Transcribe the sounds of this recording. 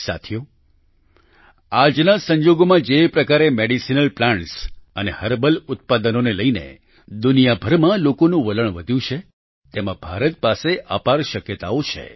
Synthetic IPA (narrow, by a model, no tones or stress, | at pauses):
sa̰t̪ʰijo | ad͡ʒnasə̃ɲd͡ʒoɡomãd͡ʒepɾəkaɾemeɽisinəlplãɳʈsənehəɾbəlʊt̪̚pad̪ənoneləinḛ | d̪unijabʱəɾmãlokonũʋələɳ̃ʋəd̪ʱjũt͡ʃʰe | t̪emãbʱaɾət̪̚paseʔapaɾʃəkjət̪aot͡ʃʰḛ